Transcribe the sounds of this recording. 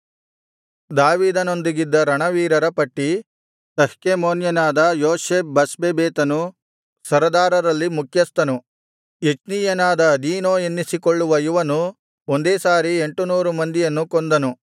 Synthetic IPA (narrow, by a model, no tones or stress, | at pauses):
d̪aːʋiːd̪ɐno̞nd̪iɡid̪ːɐɾɐɳɐʋiːɾɐɾɐpɐʈːi | t̪ɐhkemoːnjɐnaːd̪ɐjoːseːp̚bɐsbebeːt̪ɐnu | sɐɾɐd̪aːɾɐɾɐlːimukʰjɐst̪ɐnu | jet͡ʃniːjɐnaːd̪ɐd̪iːnoːenːisikoɭːuʋɐjuʋɐnu | ond̪eːsaːɾie̞ɳʈunuːɾumɐnd̪ijɐnːukond̪ɐnu